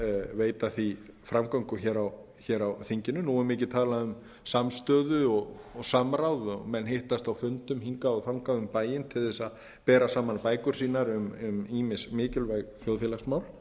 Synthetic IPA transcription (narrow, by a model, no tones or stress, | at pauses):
veːjt̪aθifɾamkaŋkʏçɛːɾaw | çɛːɾawθiɲcɪnːʏnuːɛmɪːcɪt̪ʰaːlaðʏm | samst̪œːðʏɔɣ | ɔsamɾawðʏɔɣmɛnɦeht̪ast̪awfʏnt̪ʏmhiŋkaaθawŋkaʏmpaːjɪnt̪ʰɪlθɛsað | pɛːɾasaːmanpaːjkʏɾ̥siːnaɾʏmʏmiːmɪsmɪːcɪlvajɣθjowðfjɪlasmawl